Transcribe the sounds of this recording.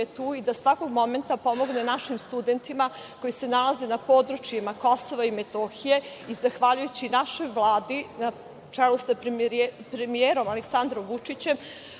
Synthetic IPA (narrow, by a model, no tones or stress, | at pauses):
et̪uːid̪asʋako̞ɡmo̞me̞nt̪apo̞mo̞ɡne̞naʃimst̪ud̪e̞nt̪ima | ko̞jise̞nalaze̞napo̞ːd̪ɾut͡ʃjemako̞soʋaimet̪oxije̞ | izaxʋaʎujut͡ɕinaʃo̞jʋlˠaːd̪ina | t͡ʂɛlusappɾemijeɾo̞maleksand̪ɾo̞mʋut͡ʂit͡ɕe̞m